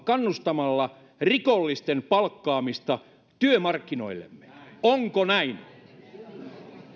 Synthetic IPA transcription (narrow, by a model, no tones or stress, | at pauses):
kɑnːust̪ɑmɑlːɑ | rikolːist̪empɑlkːɑːmist̪ɑ | t̪yømɑrkːino̰ilːḛmːe̥oŋkonæin